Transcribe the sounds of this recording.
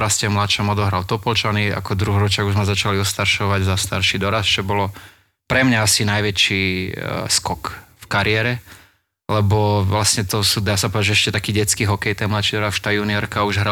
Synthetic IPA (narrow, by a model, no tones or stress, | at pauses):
ɾascɛmlat̪ʃɔmɔd̪ɔɦɾalt̪ɔpɔlt͡ʃania̰kɔd̪ɾuɦɾɔt͡ʃɪaɡuzmɛzat͡ʃaliɔst̪aɾʃɔʋaɟzast̪a̰ɾʃid̪ɔɾast͡ʃɔbɔlɔ | pɾɛmɲaasinajʋɛt͡ʃiːskɔkfkaɾɪɛɾɛ | lɛbɔʋlasɲɛt̪ɔsuːd̪aːsapɔd̪aʒɛʃcɛt̪akiːɟɛt͡skiɦɔkɛjt̪ɛjmlat̪ʃid̪ɔɾasʃt̪aːjuniɔɾkauʒɦɾa